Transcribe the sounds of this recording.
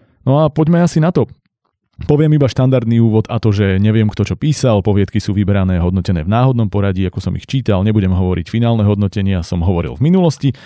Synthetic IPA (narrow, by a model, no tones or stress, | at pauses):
nɔapɔɟmɛasinat̪ɔ | pɔʋɪɛmibaʃt̪and̪aɾd̪niuːʋɔt̪at̪ɔʒɛɲɛʋɪɛmkt̪ɔt͡ʃɔpiːsalpɔʋɪɛt̪kisuːʋibɛɾanɛːɦɔd̪nɔcɛnɛ̰ːvnaːɦɔd̪nɔmpɔɾaɟiakɔsɔmḭxt͡ʃiːt̪alɲɛbuɟɛmɦɔʋɔɾḭcfinaːlnɛɦɔd̪nɔcɛɲɪasɔmɦɔʋɔɾḭlvminulɔsci